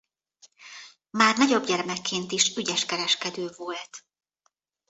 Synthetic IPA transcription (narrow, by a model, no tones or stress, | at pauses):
maːrnɒɟo̞bɟɛrmɛkːeːnt̪iʃyɟɛʃkɛɾɛʃkɛd̪øːvolt̪